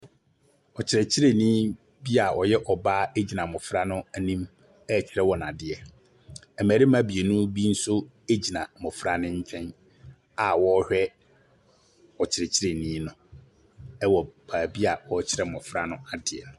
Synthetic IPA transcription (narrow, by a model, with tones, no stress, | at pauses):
ɔ˨t͡ɕʰɪ˨ɾɛ˨t͡ɕʰɪ˦ɾe˨nĩ˦ | bi˦a˨ʔɔ˨jɛ˦ʔɔ˨ba˦e˦d͡ʑi˨nã˨mʊ̃˨fɾa˦nʊ̃˦nĩ˦m | ɛ˦˨t͡ɕʰɪ˨ɾɛ˦wɔ˨n˨ã˨dɪ˨ɛ˨ | ɛ˨mæ˨ɾi˦m˦ã˦bi˨e˨nʊ̃˦bi˦n̩˦sʊ˦ | e˦d͡ʑi˨nã˨mɔ̃˨fɾa˦nɪ̃˦ɲ̩˦t͡ɕᶣʰɛ̃˦n | a˨wɔ˦hᶣɛ˦ | ɔ˨t͡ɕʰɪ˨ɾɛ˨t͡ɕʰɪ˦ɾe˨nĩː˦nʊ̃˦ | ɛ˦wɔ˨baː˨bi˦a˨wɔ˦t͡ɕʰɪ˦ɾɛ˨mɔ̃˨fɾa˦nʊ̃˦a˨dɪ˨ɛ̰˨nʊ̃˨